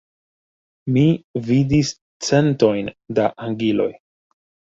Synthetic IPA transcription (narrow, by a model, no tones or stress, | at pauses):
mividis | t͡se̞nto̞jndaʔaŋɡilo̞̰j